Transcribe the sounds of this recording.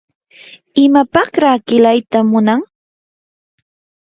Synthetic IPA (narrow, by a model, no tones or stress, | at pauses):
ɪmapɑχɾaːkɪlajt̪amʊnaŋ